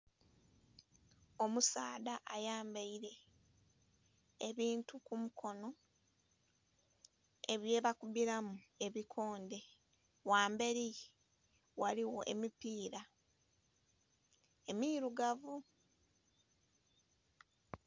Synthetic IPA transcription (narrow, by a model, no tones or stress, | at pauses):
o̞musaːdaʔajaːmbaiɾe̞ | βiːntukumukʰo̞no̞ | e̞βje̞ːβakuβiɾamue̞βikʰo̞ːnde̞ | waːmbe̞ɾi | waliwo̞ʔe̞̰mipiːɾa | e̞miɾuɡavu